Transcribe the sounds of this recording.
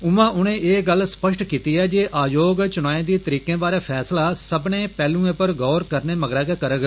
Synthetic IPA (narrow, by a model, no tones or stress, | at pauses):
ʊmãːʔʊñẽːʔeːɡəlsə̥pəʃʈkiːt̪iːɛːd͡ʒeːʔaːjoːɡt͡ʃʊñãːẽːd̪iːt̪əɾiːkẽːbaːɾeːpʰɛːslaːsəbnẽːpɛːlũːẽːpəɾɡɔːɾkəɾneːməɡɾɛːkɛːkəɾəɡ